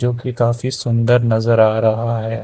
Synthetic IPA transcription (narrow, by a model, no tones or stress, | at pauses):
d͡ʒoːkikaːfisʊ̃nd̪əɾnɐzəɾaːɾɐɦaɦɛː